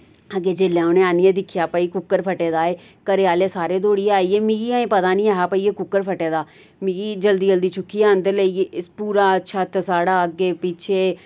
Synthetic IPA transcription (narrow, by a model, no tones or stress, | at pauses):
əɡeːd͡ʒɪlːãːʊnẽːaːnijẽːd̪ɪkʰːjaːpəːiːkʊkːəɾpʰəʈeːd̪aːeː | kəɾeaːleːsaːɾeːd̪oːɽieaːiːeːmĩːɡiːãẽːpət̪aːnĩːaːɦaːpəːiːeːkʊkːəɾpʰəʈeːd̪aː | mĩːɡiːd͡ʒəld̪iːd͡ʒəld̪iːt͡ʃʰʊkːiːɛːə̃nd̪əɾləiːɪspuːɾaːətːʃʰaːt̪esaːɽaːəɡːeːpit͡ʃʰeː